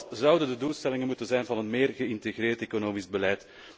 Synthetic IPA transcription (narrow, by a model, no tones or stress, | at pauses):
zʌwdəndəduːlˠstɛlɪŋənmutənzɛjnvɑnɦənmeːrɣəɪnteɣreːrteːkonoːmizbəlɛjt